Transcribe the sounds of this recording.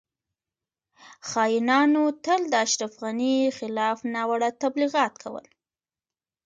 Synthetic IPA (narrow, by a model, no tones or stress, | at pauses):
xɑjinɑnot̪əld̪əaʃɾafɣanixɪlɑfnɑwaɽat̪abliɣɑt̪kʰawə̰l